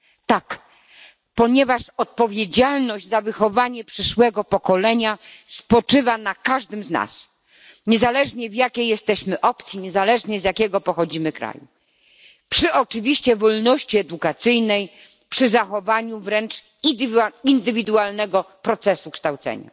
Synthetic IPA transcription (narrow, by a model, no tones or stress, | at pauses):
t̪ak | pɔɲɛvaʂɔt̪̚pɔvʲjed͡ʑalnɔʑd͡ʑzavɘxɔvaɲɛpʂɘʂwɛɡɔpɔkɔlɛɲaspɔt͡ʂɘvanakaʐd̪ɛmzna̰s | ɲɛzalɛʐɲɛvjakʲejːɛst̪ɛɕmɘʔɔpt̪sʲjiɲɛzalɛʐɲɛzjakʲɛɡɔpɔxɔd͡ʑimɘkɾa̰jṵ | pʂɘʔɔt͡ʂɘvʲiɕt͡ɕɛvɔlnɔɕt͡ɕiɛd̪ukat̪sɘjnɛj | pʂɘzaxɔvaɲuvɾɛnt͡ʂ̪ | ind̪ɘvʲid̪ualnɛɡɔ | pɾɔt̪sɛsukʂt̪awt̪sɛ̰ɲa̰